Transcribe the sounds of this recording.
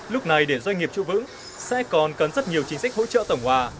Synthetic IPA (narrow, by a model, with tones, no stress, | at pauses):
lʊ˦˥k͡p̚na˨˩jɗe˧˩zwa˧jŋ̟ŋi˨˩əp̚t͡ɕṵ˧˥vɨ̰˧˥ŋ | sɛ̰˧˥kɔ˨˩nkə˨˩nzə˦˥t̚ɲi˨˩əwt͡ɕï˧ŋ̟sa˦˥k̟̚ho̰˧˥t͡ɕə̰ː˧˨t̪ə˧˩wŋ͡mhwaː˨˩